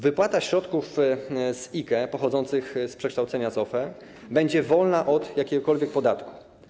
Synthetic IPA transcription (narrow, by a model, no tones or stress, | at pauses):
vɘpwat̪aɕɾɔt̪kufzikɛpɔxɔd̪zɔnt̪sɘxspʂɛkʂt̪awt̪sɛɲazɔfɛ | bɛɲd͡ʑɛvɔlnaʔɔd̪jakʲɛɡɔkɔlvʲjɛk̚pɔd̪at̪ku̥